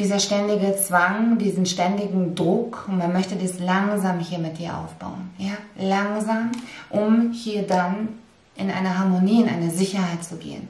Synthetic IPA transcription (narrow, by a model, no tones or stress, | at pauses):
d̥iːzɐʃtɛndɪɡət͡sv̥aŋdiːzn̩ʃtɛndɪɡŋ̩dʁʊkʊntmanmœçtədiːslaŋzaːmhiːɐmɪt̚d̥iːɐʔa̰ʊfb̥a̰ʊənjaːlaŋzaːmʔʊmhiːɐdan | ʔɪnʔa̰ɪnɐɦaɐmoniːɪnʔa̰ɪnəzɪçɐhaɪtt͡suɡḛːə̰n